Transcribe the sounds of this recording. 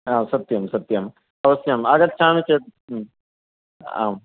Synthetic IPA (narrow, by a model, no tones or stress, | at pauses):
aːmsɐt̪jɐmsɐt̪jɐm | ɐʋɐsjɐmaːɡɐt̪̚t͡ʃʰaːmit͡ʃeːʈ̚ | a̰ːm